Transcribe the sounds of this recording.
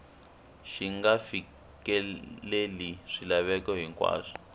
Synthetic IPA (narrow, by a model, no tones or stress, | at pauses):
ʃiŋɡafi | kɛleliʂilaβɛkɔɦiŋkwa̰ːʂi̥